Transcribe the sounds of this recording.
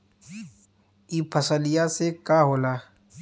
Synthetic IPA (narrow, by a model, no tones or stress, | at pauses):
iːpʰəsəlijasekaːɦoːlaː